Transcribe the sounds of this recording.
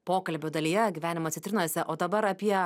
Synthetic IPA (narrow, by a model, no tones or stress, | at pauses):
poːkɐlʲbʲoːd̪ɐlʲiːjɛɡʲiːʋʲæːnʲɪmɐt̪sʲɪt̪ʲɾʲɪnɐsʲɛʔoːd̪ɐbɐɾɐpʲiɛ